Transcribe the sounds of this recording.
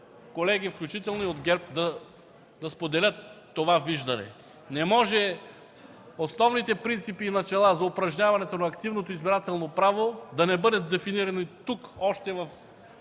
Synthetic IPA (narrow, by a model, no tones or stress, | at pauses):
kolɛɡifklʲut͡ʃit̪ɛlˠnoiod̪ɡɛɾp̚d̪ɐ | d̪ɐspod̪ɛlʲɤt̪ː | ovaviʒd̪ɐnɛ̰ | nɛmɔʒɛ | osnɔvnit̪ɛpɾint̪sipiːnɐt͡ʃɛlˠazɐʊpɾɐʒɲʲavɐnɛt̪onɐːkt̪ivnot̪oizbiɾat̪ɛlˠnopɾavod̪ɐnɛbɤd̪ɛt̪̚d̪ɛfiniɾɐnit̪ukɔʃt̪ɛvɐf